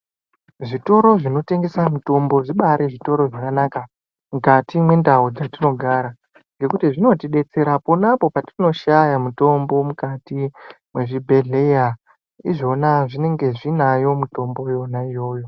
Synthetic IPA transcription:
ʐito̞ɾo̞ʐino̞te̞ŋɡe̞samuto̞mbo̞ʐiɓaɾeʐito̞ɾo̞ʐakanaːka | mukatimwe̞ndaod͡zatino̞ɡʱaːɾa | ŋɡe̞kutiʐino̞tiɗe̞t͡se̞ɾapo̞napo̞patino̞ʃajamuto̞mbo̞mukatimwe̞ʐibʱe̞ɮe̞ja | iʐo̞naʐine̞ŋɡe̞ʐinajo̞muto̞mbo̞jo̞naijo̞ːjo̞

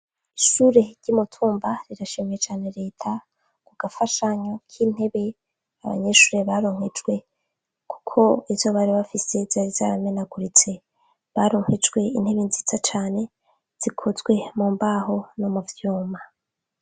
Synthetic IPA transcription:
iʃuːɾe̞ɾɟ̥umutʰuːmbaɾiɾaʃimejet͡ʃaːne̞ɾe̞ːtʰa | kuɡ̥afaʃaɲokʰiːn̥he̞βe̞ | aβa̰ɲeʃuːɾe̞βaɾo̞ŋ̥ed͡ʒɡwe̞ | kʰu̥kʰo̞izzoβaɾiβafise̞z̥aɾizaːɾamenaɡuɾit͡se̞ | βaɾoŋ̥ed͡ʒɡwe̞in̥he̞βenzit͡sat͡ʃaːne̞ | z̥ikʰozɡwe̞muːmbaho̞nomuvjuːma

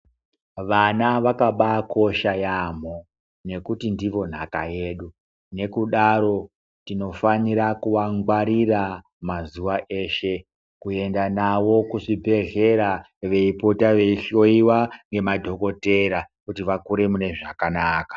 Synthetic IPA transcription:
ʋanaʋakaɓakʰo̞ʃajam̤o | ne̞kutindiʋo̞n̤akajeːɗu | ne̞kuɗaɾo̞ | tino̞faniɾakuʋaŋɡwaɾira | mazuʋaʔe̞ːʃe̞ | kue̞ndanaʋo̞kuʐibʱe̞ɮe̞ɾa | ʋe̞ipotaʋe̞iɬo̞iwaŋɡe̞madʱo̞ko̞te̞ɾakutiʋakuɾe̞mune̞ʐakanaːkḁ

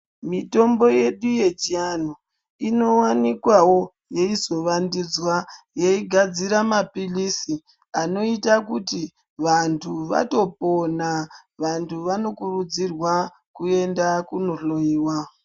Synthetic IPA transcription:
mito̞mbo̞je̞ɗuje̞d͡ʒian̤o | ino̞wanikwawo̞ | je̞izo̞ʋandid͡zwajeiɡʱad͡ziɾamapilisi | ano̞itakuti | ʋantʰuʋa̰to̞po̞naʋantʰuʋano̞kurud͡zirwa | kue̞ndakuno̞ɬo̞jiːwa

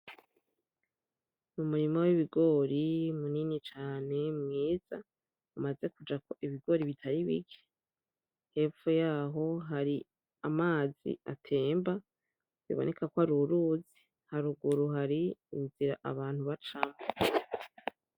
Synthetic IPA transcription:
mumuɾimowiβiɡo̞ːɾimuninit͡ʃaːne̞mŋiːz̥a | umaze̞kud͡ʒako̞ʔiβiɡo̞ːɾiβitʰaɾiβḭɡe̥ | he̞ːfujaːɦo̞ɦaɾi | amaːzḭatʰe̞ːmba | zḭβone̞kakwaɾuɾuzi | haɾuɡuɾuɦaɾiiziɾa̰ʔaβaːn̥huβat͡ʃamo

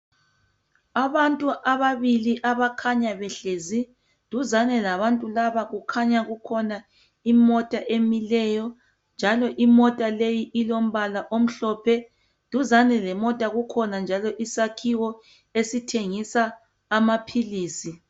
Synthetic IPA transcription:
aβantʼuʔaβaβiliʔaβakʰaɲaβɛɬezi | d̥ʱuzanɛlaβantʼulaβaɣukʰaɲaɣukʰɔna | imɔtʼaʔemilɛjɔ | nd͡ʒʱalɔʔimɔtʼalejiʔilom̩βalaʔom̩ɬɔpʰɛ | d̥ʱuzanɛlɛmɔtʼaɣukʰɔnand͡ʒʱalɔʔisakʰiwɔ | esitʰeŋisaː | mapʰiliːsi

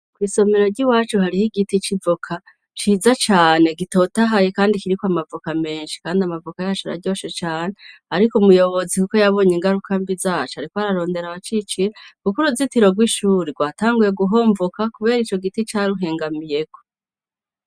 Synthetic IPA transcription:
kwiːso̞miɾo̞ɾɟiwaːt͡ʃuhaɾijiɡitit͡ʃivokʰa | t͡ʃiːzat͡ʃaːne̞ɡito̞ːtaɦaje̞kaːndikiɾikwamavokame̞ːnʃi̥kaːndiamavokajaːt͡ʃoɾa̰ɟo̞ːʃet͡ʃaːne̞aɾikumujo̞βo̞zikuko̞jaβo̞ːɲeːŋɡaɾukʰambizat͡ʃohaɾikoaɾaɾo̞ːnde̞ɾaβat͡ʃit͡ʃiɾekukuɾuzitiɾo̞ɡwiʃuːɾiɡwaːtaːŋɡuje̞ɡuɦo̞ːɱvukakuβe̞ːɾit͡ʃoɡitit͡ʃaːɾuɦe̞ːŋɡamije̞ko

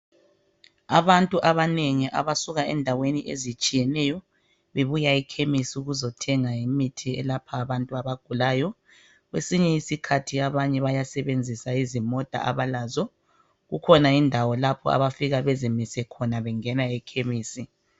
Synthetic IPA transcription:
aβantʼuʔaβaneŋiʔa̰βasuɣaɛndʱaweniʔezit͡ʃʼijɛnɛjɔ | βeβujaɛkʰemisiuɣuzɔtʰɛŋajimitʰiɛ̰lapʰaːβantʼuaβaɡ̥ʱulaːjɔ | ɣwesiɲɛisikʰatʰiaβaɲɛβajasɛβend͡zʱisaizimɔd̥ʱa̰ʔaβalazɔ | ɣukʰɔnaindʱawɔlapʰɔ̰a̰βafiɣaβɛzimisɛkʰɔnaβɛŋɛnaɛkʰemiːsi

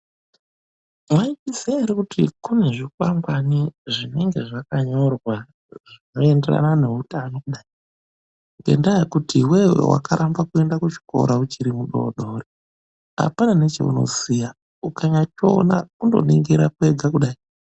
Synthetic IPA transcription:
mwaitisiaɾikutʰikune̞ʐikwambwaniʐine̞ŋɡe̞ʐakaɲo̞rwa | ʐino̞e̞nde̞ra̰nane̞utanokuɗai | ŋɡe̞̰ndajekutʰiwe̞wḛwʔa̰kaɾʔambakue̞ndakut͡ʃi̥ko̞̰ɾaut͡ʃiɾimuɗo̞̰ɗoːre | a̰panane̞t͡ʃe̞̰ṵno̞̰zija | ukaɲat͡ʃonakundo̞̰nḭŋɡeɾakue̞ɡʱakuɗai

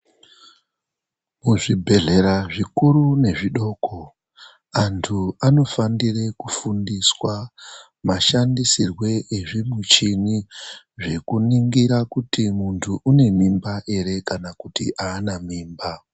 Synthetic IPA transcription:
muʐibʱe̞ɮe̞ɾaʐikurune̞ʐiɗo̞ːkʰo̞ | antʰuano̞fandire̞kufundiswa | maʃandisirwe̞ʔeʐimut͡ʃini | ʐe̞kuniŋɡiɾakutimuntʰuʔune̞mimbaʔe̞ɾe̞kanakutiʔaːnamiːmba

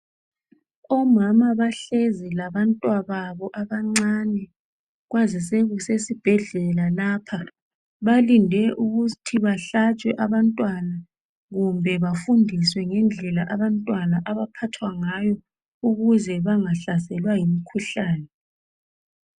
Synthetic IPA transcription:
ɔmamaβaɬezilaβantʼwaβaβɔʔaβaŋ͡ǀaːnɛ | ɣwazisɛɣusesib̥ʱɛɮɛlalaːpʰa | βalindʱɛʔuɣutʰiβaɬat͡ʃʼwɛʔaβantʼwana | ɣumbʱɛβafundʱiswɛŋɛnd͡ɮʱɛlaʔaβantʼwanaʔaβapʰatʰwaŋajɔ | uɣuzɛβaŋaɬasɛlwajimikʰuɬaːnɛ

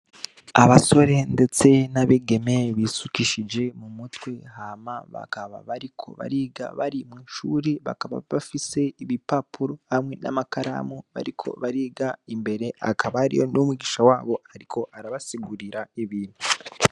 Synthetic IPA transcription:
aβaso̞ɾe̞nde̞t͡se̞naβeɡe̞me̞βisukiʃid͡ʒe̞mumutwehamaβa̰kaβa̰βaɾikʰo̞̰βa̰ɾiːɡa̰βaɾimwiːʃuːɾiβa̰kaβa̰βafise̞iβipapuɾo̞hamwe̞na̰makaɾa̰muβa̰ɾikʰo̞̰βaɾiːɡaimbe̞ɾe̞a̰kaβaɾḭjo̰nomwiɡiʃawaːβo̞haɾikʰo̞ʔaɾaβasiɡuɾiɾaiβiːnu

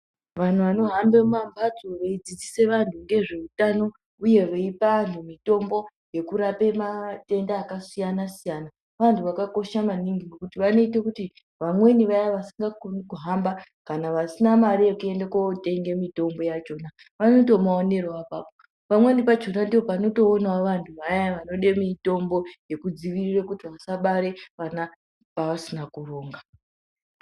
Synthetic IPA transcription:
ʋan̤uʋano̞ɦambemambat͡soʋeid͡zid͡zise̞ʋantʰuŋɡe̞ʐe̞utano̞ | uje̞ʋeipantumito̞mbo̞ | je̞kuɾape̞mate̞ndaːkasijanasijana | ʋantʰuʋakako̞ʃamaniŋɡinokutiʋano̞itekuti | ʋamwe̞niʋajaʋasiŋɡakonikuɦambakanaʋasinamaɾijekue̞ndekote̞ŋɡe̞mito̞mbo̞jat͡ʃo̞na | ʋanot̬o̞maone̞roapapo | pamwe̞nipad͡ʒo̞nandiʋopano̞to̞ːnaʋantʰuʋajaʋano̞ɗemito̞mbo̞je̞kud͡ziʋirirekutiʋasaɓaɾe̞ʋana | paʋasinakuro̞ːŋɡa

